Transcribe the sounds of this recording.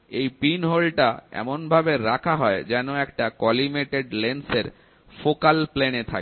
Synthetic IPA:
ejpinɦolʈaɛ̰monbʱabeɾakʰaɦɔed͡ʑɛnoɛkʈakɔlimeʈeɖlenseɾ | fokalplenet̪ʰa̰k

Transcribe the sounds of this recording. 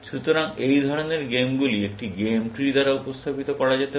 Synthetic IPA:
ʃut̪oɾaŋejd̪ʱɔɾoneɾɡemɡuliek̚ʈiɡemʈɾid̪aɾaupost̪ʰapit̪okɔɾad͡ʑat̪e

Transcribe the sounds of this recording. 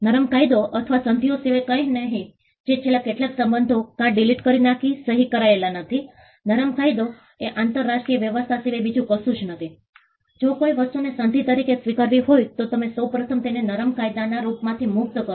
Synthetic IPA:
nəɾəmkajd̪oʔət̪ʰəʋasənt̪ijosiʋekəjnəɦĩ | d͡ʒet͡ʃʰelakeʈlaksə̃mbənd̪ʱokãɖiliʈkəɾinakisəɦikəɾaelanət̪ʰi | nəɾəmkajd̪o | eʔant̪əɾːasʈɾijəʋjəʋəst̪ʰasiʋebid͡ʒũkəsũt͡ʃʰnət̪ʰi | d͡ʒokoiʋəst̪unesənt̪it̪əɾikesʋikəɾʋiɦojt̪ot̪əmesəwpɾət̪ʰəmt̪enenəɾəmkajd̪anaɾupmãt̪ʰimʊk̚t̪kə

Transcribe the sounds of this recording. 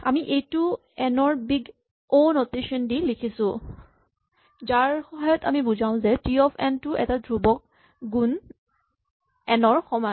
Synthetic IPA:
a̰miʔejtʊ | ɛnɔɹbiɡ | onoteʃɔndilikʰisʊ̃ | zaɹxɔɦajɔta̰mibuzaʊ̃zɛtiɔpʰɛntʊʔɛ̰tadʱɹubɔk̚ | ɡun | ɛnɔɹxɔmɔ

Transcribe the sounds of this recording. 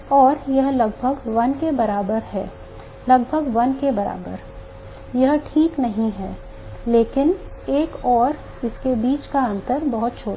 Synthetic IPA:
ɔːɾjɐɦlɐɡbʱəɡʋɐnkebɐɾaːbəɾɦɛ̰ː | lɐɡbʱəɡʋɐnkebɐɾa̰ːbə̰ɾ | jɐɦʈʰiːknɐɦĩɦɛː | leːkɪneːkɔːɾ | ɪskebiːt͡ʃkaə̃nt̪əɾbɐɦʊt̪̚t͡ʃʰoːɾ

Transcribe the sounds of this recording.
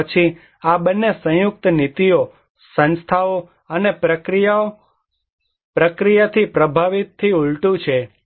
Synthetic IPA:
ət͡ʃʰi | abənːesə̃jʊk̚t̪nit̪ijo | sə̃nst̪ʰao | ənepɾəɾijao | pɾəkɾijat̪ʰipɾəbʱaʋit̪ʰːiuɭʈũt͡ʃʰe

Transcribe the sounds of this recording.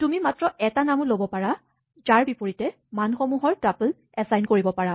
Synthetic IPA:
tumimatɹɔʔɛtanamũlobɔpaɹa | zaɹbipoɹitɛ | manxɔmuɦɔɹtapl | ɛsajnkoɹibɔpaɹa

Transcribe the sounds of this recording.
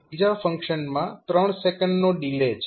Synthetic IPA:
id͡ʒafə̃ŋkʃənmãt̪ɾəɳ̃sekəɳɖnoɖilet͡ʃʰ

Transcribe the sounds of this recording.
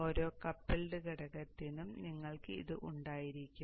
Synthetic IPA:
o̞ːɾo̞ːkɐpːelɖɨkiɽɐɣɐt̪ːinumniŋːɐɭkɨḭðɨʔuɳɖaːjiɾikʲːum

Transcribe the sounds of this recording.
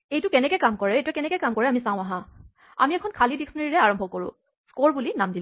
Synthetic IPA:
ejtʊkɛnɛkɛjkamkɔɹɛejtʊɛkɛnɛkɛkamkɔɹɛamisãʊ̃aɦã | a̰miɛkʰɔnkʰalidiksɔneɹiɹɛaɹɔmbʱɔkoɹʊ̰̃ | skoɹbulinamdil

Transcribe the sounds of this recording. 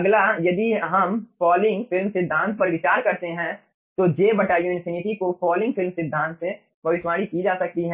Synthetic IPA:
ɐɡlajɐd̪iɦɐmfɔːlɪ̃ŋɡfɪlmsɪd̪ʱãːnt̪̚pɐɾʋɪt͡ʃaːɾkɐɾt̪eɦɛ̃ | t̪od͡ʒeːbɐʈaːjõɪ̃nsɪnɪʈikofɔːlɪ̃ŋɡfɪlmsɪd̪ʱãːnt̪se | pɐʋɪʃʋaːɽikid͡ʒaːsɐk̚t̪iɦɛ̃

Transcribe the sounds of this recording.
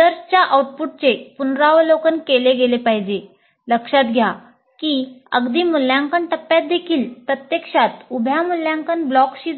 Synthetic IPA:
d̪əɾst͡ɕjaʔauʈ̚puʈ̚t͡sepunɾaʋlokənkeleɡelepaɦid͡ʑe | ləkʂat̪ɡʱja | kiːə̰ɡd̪iːmuljaŋkəɳʈəpːjat̪̚d̪ekʰiːlpɾət̪jəkʂat̪ubʱjamuljãŋkənblɔkɕiː

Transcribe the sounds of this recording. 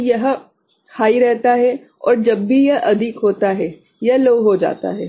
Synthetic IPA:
jɐɦ | haːiɾɛɦt̪aɦɛ | ɔ̰ːɾd͡ʒɐbːijɐɦʔɐd̪ʱɪkɦoːt̪aɦɛ | jɐɦloːɦod͡ʒa̰ːt̪a̰ɦɛː

